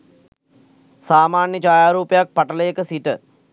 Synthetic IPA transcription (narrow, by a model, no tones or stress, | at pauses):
saːmaːnjəd͡ʒaːjaːɾuːpejak̚paʈələjəkəsiʈə